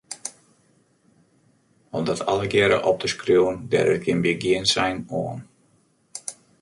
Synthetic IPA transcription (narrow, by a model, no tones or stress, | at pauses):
ɔmdɔtʰɑləɡjɛɾə̰ʔɔp̚təskrjuwəndɛ̰ɾət̚ɡɪnbiɡiənsɛjnoən